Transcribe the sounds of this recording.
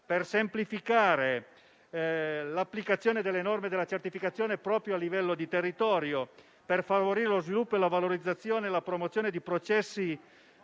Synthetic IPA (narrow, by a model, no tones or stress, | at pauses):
persemplifikaːɾe | lapːlikat̪sːjoːned̪elːenɔrmed̪elːat͡ʃert̪ifikat̪sːjoɔːnepɾɔːpɾjoalːivɛlːod̪it̪erːit̪ɔːɾjo | perfavoɾiːɾelozvilupːoelavaloɾid̪zːat̪sːjoːneːlapɾomot̪sjoːned̪ipɾot͡ʃɛsːi